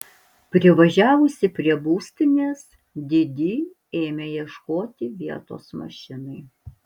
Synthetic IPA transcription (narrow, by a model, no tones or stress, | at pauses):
pʲɾʲɪʋɐʒʲæːʋʊsʲɪpʲɾʲiɛbuːsʲt̪ʲɪnʲeːs | d̪ʲɪd̪ʲɪ | eːmʲejiɛʃkoːt̪ʲɪʋʲiɛt̪o̰ːsmɐ̰ʃʲɪnɐɪ